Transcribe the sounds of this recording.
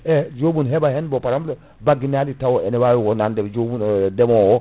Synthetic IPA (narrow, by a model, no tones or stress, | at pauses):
ɛd͡ʒobunɦebahɛnbopaɾamlo | baɡinalitawoɛnɛwajuwonandɛd͡ʒobundemowɔ